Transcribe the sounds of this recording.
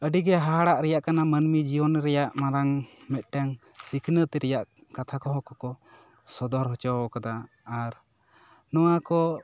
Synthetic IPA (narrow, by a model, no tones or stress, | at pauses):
əɖiɡɛɦaɦaɽaʔɾɛjaʔkanamənmid͡ʒijɔnɾɛjaʔmaɾaŋmɛt̪̚ˀʈɛŋ | sikʰnət̪ɛɾɛjaʔ | kat̪ʰakɔɦɔkɔkɔ | sɔd̪ɔɾɦɔt͡ʃɔɔkad̪aː | ɾ | nɔwakɔ